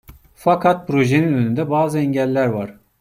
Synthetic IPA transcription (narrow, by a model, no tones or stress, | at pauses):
fɑkʰɑt̪̚pʰɾoʒenɪŋønɪnd̪æbɑːzɨiŋɡʲællːæɾvɑɾ